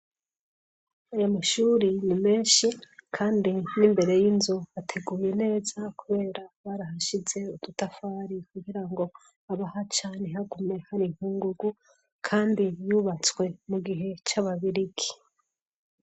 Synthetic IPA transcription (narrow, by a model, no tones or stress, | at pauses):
ajamaʃuːɾinime̞ːnʃikʰaːndinimbe̞ɾe̞jinzuatʰe̞ɡuːjene̞ːzakuβe̞ːɾaβaɾaɦaʃize̞udutafaːɾikuɡiɾaŋɡo̞ | aβahat͡ʃaːneɦaɡume̞haɾiŋ̥huːŋɡuɡu | kʰaːndijuːβat͡swe̞muɡiɦe̞t͡ʃaβaβiɾiɡi̥